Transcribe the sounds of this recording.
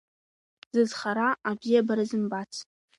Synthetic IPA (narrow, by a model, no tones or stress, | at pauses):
z̥ɨzχaɾaabijabaɾazɨmbat͡sʰ